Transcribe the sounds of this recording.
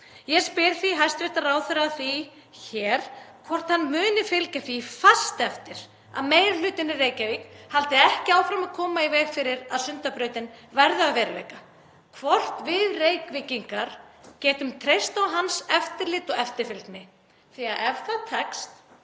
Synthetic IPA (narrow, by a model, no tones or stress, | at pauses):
jɛspɪɾθiɦajst̪vɪ̥t̪araːwθœɾaθi | çɛːɾ̥kʰvɔr̥t̪hanːmʏːnɪfɪlcaθifast̪ɛft̪ɪɾ̥ | a̰ðmeːjɾalʏːt̪ɪnɪreːjcavikhalt̪ɪɛhcɪaːwfɾamaðkʰɔːmaivɛːɣfɪɾɪɾaðsʏnt̪apɾœːɥt̪ɪnvɛɾðʏavɛːɾɪlḛjka | kʰvɔr̥t̪vɪðreːjkvɪciŋkaɾ̥cɛːt̪ʏmt̪ʰɾejst̪awɦansɛft̪ɪɾlɪt̪ɔɣɛft̪ɪɾfɪlk̪nɪ | θiaðʔɛɾθat̪ʰɛkst̪